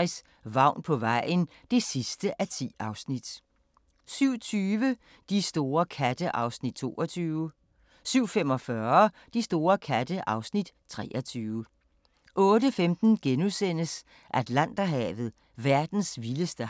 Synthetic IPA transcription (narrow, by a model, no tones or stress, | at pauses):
is | ʋɑ̈ʊ̰npʰɒ̽ʋɑ̈ɪ̰n | d̥e̝sisd̥əʔæt͡sʰḭːɑ̈ʊsnid̥ | syʊ̰t͡sʰyːʋə | d̥isd̥o̝ːɐkʰæd̥əʔɑ̈ʊsnid̥̚t͡sʰo̝̰ːɐt͡sʰyːʊ | syʊ̰fem̰ɒ̽fɶɐd̥isd̥o̝ːɐkʰæd̥əʔɑ̈ʊsnid̥t͡sʰʁɛ̰ːʔɐt͡sʰyːʊə | ʔɔ̽ːdəfemd̥n̩ɡ̥enusen̰əs | ʔæd̥læn̰d̥ɐɦɛ̰ːʋð̞̩ˠ | ʋæɐd̥n̩sʋiləsd̥ə